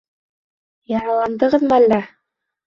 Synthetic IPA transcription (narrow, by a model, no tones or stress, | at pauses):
jɑɾɑlˠɑnd̪ɤ̆ʁɤ̆ðmælːæ